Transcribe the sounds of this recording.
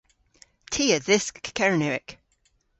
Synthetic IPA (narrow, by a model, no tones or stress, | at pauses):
tʰiːəðɪskkʰɛɹənʉɪk